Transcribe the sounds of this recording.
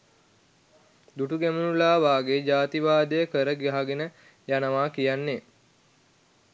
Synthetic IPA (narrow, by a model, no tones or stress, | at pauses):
d̪uʈuɡæmunulaːʋaːɡed͡ʒaːt̪iʋaːd̪əjəkəɾəɡiɦaɡenə | janəʋaːkijanːe